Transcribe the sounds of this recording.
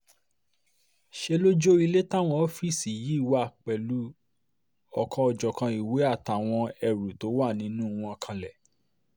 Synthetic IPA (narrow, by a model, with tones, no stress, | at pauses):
ʃe˧lo˦d͡ʒo˦i˧le˦ta˦w̃ɔ̃˧˦fi˦˨si˨ji˨˦˨wa˦˨k͡pɛ˨lu˨˦ | ɔ˧kʰɔ̃˧ɔ˧d͡ʒɔ˨kã˧i˨we˨˦a˦˨ta˨w̃ɔ̃˧ɛ˧˨ɾu˨to˨˦wa˦˨nĩ˨˦nũ˦˨˧w̃ɔ̃˧kʰã˧lɛ˨